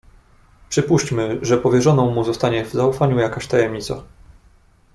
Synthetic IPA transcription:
pʂɘpuɕt͡ɕmɘʐɛpɔvʲjɛʐɔnɔ̃w̃muzɔst̪aɲɛvzaufaɲujakaɕt̪ajɛmɲit̪sa̰

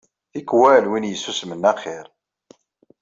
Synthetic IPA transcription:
ikːwælwinjəsːusmənːæχɪɾ

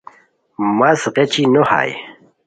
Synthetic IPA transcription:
mɐsʁet͡ɕinoha̰j

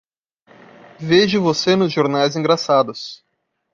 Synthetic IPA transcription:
veʒɪvosenʊzʒoɾnajzĩŋɡɾasad̪ʊs

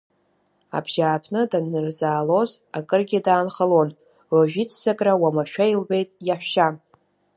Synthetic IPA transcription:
a̰bʒ̥aʕːpʰnɨdanːɨrd͡zaːlo̞z | akʼɨrɡʲidaːnχalon | waʒᶣit͡sʰzakʼrawamaʃᶣailbe̞jtʼjaħʷʃa

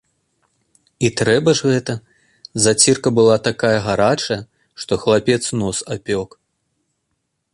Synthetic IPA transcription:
it̪ɾɛbɐʐɣɛt̪ɐ | zat͡sʲirkɐbɨlˠat̪akajɐɣaɾat͡ʂɐjɐ | ʂt̪ɔxlˠapʲɛt̪snɔsapʲɔk

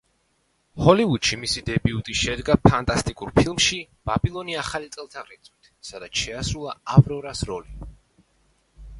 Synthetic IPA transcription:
hɔlivud̪̥ʃimisid̪ɛbiut̪ʼiʃɛd̪ɡapʰant̪ʼast̪ʼikʼuɾpʰilˠmʃi | b̥abilˠɔniaχalit̪sʼɛlˠt̪ʰaʁɾit̪sʼwit̪ʰsad̪at̪sʃɛasɾulˠaavɾɔɾasɾɔli

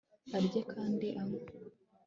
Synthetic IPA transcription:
aɾɟekʰaːndiʔamo

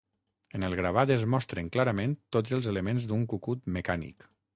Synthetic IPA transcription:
ənəlˠɣɾaβ̞ad̪əzmɔst̪ɾəŋklaɾəmẽnt̪od͡zəlˠzeləmẽnzd̪uŋkukut̪məkanḭk

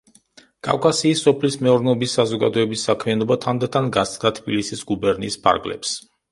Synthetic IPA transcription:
kʼa̰vkʼasiːsːɔpʰlismɛuɾnɛɔbisːazɔɡa̰d̪ɔɛbisːakʰmianɔbat̪ʰand̪at̪ʰanɡasʼd̪at̪ʰbilisisɡubɛɾnḭːspʰa̰ɾɡlɛ̰ps

